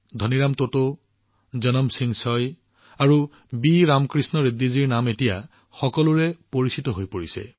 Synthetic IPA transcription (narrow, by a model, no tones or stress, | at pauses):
d̪ʱɔniɹamtoto | zɔnɔmsiŋsɔj | aɹu | biɹamkɹisnɔɹed̪iziɹnametija | xɔkɔlʊɹɛpoɹisitɔɦojpoɹisɛ̰